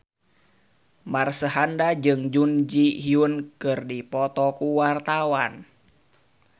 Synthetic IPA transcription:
marsəɦandad͡ʒɨŋd͡ʒund͡ʒiɦiunkɨrdipɔt̪ɔkuwart̪awan

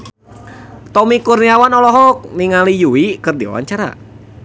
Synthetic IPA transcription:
t̪ɔmikurniawanɔlɔɦɔk̚niŋalijuikɨrdiwa̰wa̰ɲt͡ʃaɾa̰

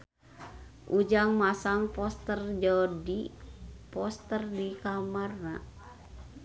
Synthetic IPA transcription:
ʔud͡ʒaŋmasaŋpɔst̪ərd͡ʒɔdipɔst̪ərdikamarna̰

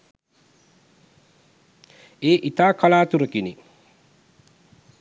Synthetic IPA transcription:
eːʔit̪aːkalaːt̪uɾəkini

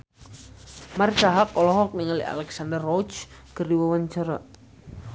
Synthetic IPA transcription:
mart͡ʃaɦakːɔlɔɦɔk̚niŋalḭa̰lɛksand̪ərːɔt͡ʃɡ̥ərdiwawaɲt͡ʃaɾa

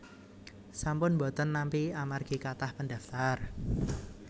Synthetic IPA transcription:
sampʊnbɔ̤t̪ənːampiamarɡ̥i̤kat̪ahpəndaft̪ar

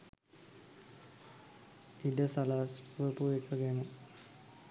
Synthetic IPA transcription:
iɖəsalaːspuʋəpuekəɡɛnə

